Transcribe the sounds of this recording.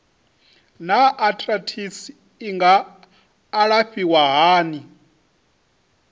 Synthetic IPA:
naʔatʰʼratʰisiː | ŋɡaː | ɺaɸiwaɦaːni

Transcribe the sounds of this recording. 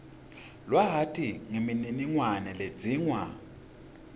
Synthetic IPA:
lwaɦatʰʼiŋemininiŋwanɛle̥d͡zʱiːŋwa̰

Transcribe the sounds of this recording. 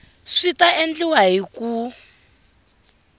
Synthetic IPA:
ʂitaʔend͡ɮiwaɦiku

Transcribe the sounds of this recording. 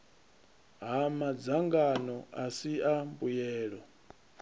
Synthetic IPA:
ɦamad͡zaŋɡanɔʔasiambujɛːɺɔ

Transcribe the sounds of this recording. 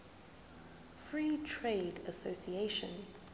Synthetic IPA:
fɹiːtʰɹeɪdəsosieʃə̰̃n

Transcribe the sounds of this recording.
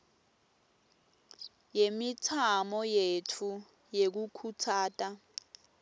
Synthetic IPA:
jemitʰamɔjetʰu | jek̬ukʰutʰaːtʼa

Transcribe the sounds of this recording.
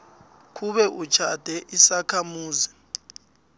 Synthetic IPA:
k̬ʰʼuɓɛʔud̥t͡ʃʰad̥ʱɛʔisakʰamuːzi

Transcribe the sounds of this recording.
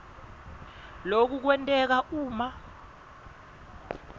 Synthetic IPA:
lok̬uk̬wɛntʼɛk̬aʔuːma

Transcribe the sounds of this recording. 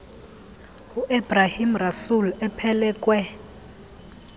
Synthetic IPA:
huʔebrahimrasulɛpʰɛlɛːkʼwɛ

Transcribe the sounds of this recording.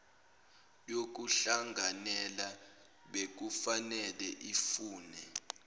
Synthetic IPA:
jok̬uɬaŋɡʱanɛla | ɓek̬ufanɛlɛʔifuːnɛ

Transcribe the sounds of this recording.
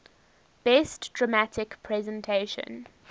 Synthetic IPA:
b̥ɛstd̥ɹəmatʰɪkpʰɹɛzə̃ntʰeɪʃə̰̃n

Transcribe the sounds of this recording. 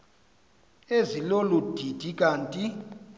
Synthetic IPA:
ezilolud̥ʱid̥ʱik̬ʼaːntʼi

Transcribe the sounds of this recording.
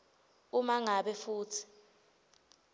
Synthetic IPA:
umaŋaɓɛfuːtʰi̥

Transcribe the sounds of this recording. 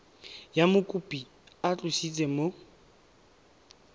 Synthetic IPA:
jamʊkʼupʼi | at͡ɬʼʊsit͡sʼɛmo

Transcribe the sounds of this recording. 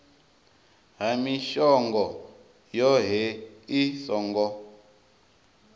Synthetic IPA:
ɦamiʃɔŋɡɔ | jɔɦɛisɔŋɡɔ

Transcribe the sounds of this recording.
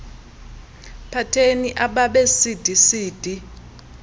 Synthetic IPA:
pʰatʰeniʔaɓaɓesid̥ʱisiːd̥ʱi

